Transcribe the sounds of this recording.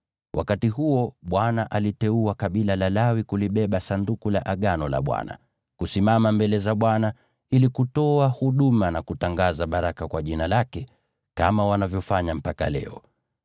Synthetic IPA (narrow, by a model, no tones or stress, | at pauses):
wʔa̰katiɦuɔɓwanaʔalitɛuakaɓilalalawikuliɓɛɓasandukulaʔaɠanɔla̰ɓwa̰na̰ | kusimamambɛlɛzaɓwana | ilikutɔahuɗumanakutaŋɡazaɓaɾakakwaʄinalakɛ | kamawanavjɔfaɲam̩paka̰lɛ̰ɔ